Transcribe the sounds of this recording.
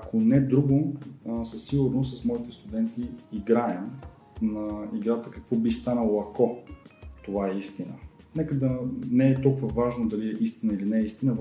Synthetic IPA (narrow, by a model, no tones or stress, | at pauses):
ɐkonɛd̪ɾuɡosɐsiɡʊɾnossɐsmɔit̪ɛst̪ʊd̪ɛnt̪iːɡɾaɛm | nɐiɡɾat̪əkɐkvɔbist̪anəlˠoɐkɔ | t̪ovaɛist̪inənɛkəd̪ɐnɛɛt̪ɔlˠkuvəvaʒnod̪ɐliɛʔist̪inəilinɛist̪inəv